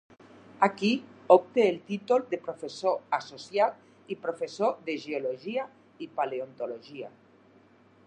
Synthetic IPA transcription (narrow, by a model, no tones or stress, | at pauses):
akiop̚t̪eːlt̪it̪uld̪epɾofesoasosjat̪̚ | ipɾofesoðeʒeoloʒia | ipaleont̪oloʒia